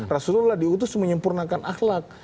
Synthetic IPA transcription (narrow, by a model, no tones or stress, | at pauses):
rasullahdiut̪̬ʊsməɲəmpurnakanaxlak̚